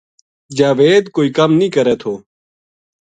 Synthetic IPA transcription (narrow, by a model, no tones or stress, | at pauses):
d͡ʒaːʋeːd̪koːiːkəmnĩːkəɾɛːt̪ʰoː